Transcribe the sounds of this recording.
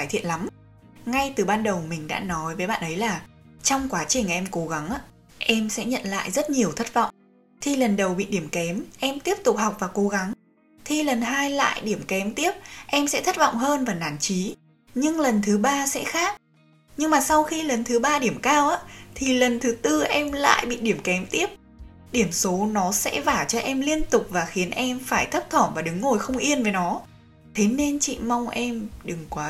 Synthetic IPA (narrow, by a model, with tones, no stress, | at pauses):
aː˧˩jt̪ʰḭ˧˨ənla˨˦m | ŋa˧jt̪ɨ˨˩ɓaː˧nɗə˨˩wmï˨˩ŋ̟ɗa̰ː˧˥nɔ˨˦jvəː˨˦jɓa̰ː˧˨nʔə˨˦jlaː˨˩t͡ɕɔ˧wŋ͡mkwaː˨˦t͡ɕï˨˩ŋ̟ʔɛ˧mko˨˦ɣa˨˦ŋʔaː˧˥ | ʔɛ˧msɛ̰˧˥ɲə̰˧˨nla̰ː˧˨jzə˦˥t̚ɲi˨˩əwt̪ʰə˦˥t̚vɔ̰˧˨wŋ͡m | t̪ʰi˨˩lə˨˩nɗə˨˩wɓḭ˧˨ɗi˧˩əmkɛ˨˦mʔɛ˧mt̪i˦˥əp̚t̪ʊ˨˩k͡p̚ha˨˩wk͡p̚vaː˨˩ko˨˦ɣa˨˦ŋ | t̪ʰi˨˩lə˨˩nɦaː˧jla̰ː˧˨jɗi˧˩əmkɛ˨˦mt̪i˦˥əp̚ʔɛ˧msɛ̰˧˥t̪ʰə˦˥t̚vɔ̰˧˨wŋ͡mɦəː˧nvaː˨˩naː˨˩nt͡ɕi˨˦ | ɲɨ˧ŋlə˨˩nt̪ʰɨ˨˦ɓaː˧sɛ̰˧˥xaː˦˥k̚ | ɲɨ˧ŋmaː˨˩sa˧wxi˧lə˨˩nt̪ʰɨ˨˦ɓaː˧ɗi˧˩əmkaː˧wʔaː˧˥t̪ʰi˨˩lə˨˩nt̪ʰɨ˨˦t̪ɨ˧ʔɛ˧mla̰ː˧˨jɓḭ˧˨ɗi˧˩əmkɛ˨˦mt̪i˦˥əp̚ | ɗi˧˩əmso˨˦nɔ˨˦sɛ̰˧˥vaː˧˩t͡ɕɔ˧ʔɛ˧mli˧ənt̪ʊ˨˩k͡p̚vaː˨˩xi˨˦ənʔɛ˧mfaː˧˩jt̪ʰə˦˥p̚t̪ʰɔː˧˩mvaː˨˩ɗɨ˨˦ŋːo˨˩jxə˧wŋ͡mʔi˧ənve˨˩˦nɔ˨˦ | t̪ʰe˨˦ne˧nt͡ɕḭ˧˨ma˧wŋ͡mʔɛ˧mɗɨ˨˩ŋkwaː˨˦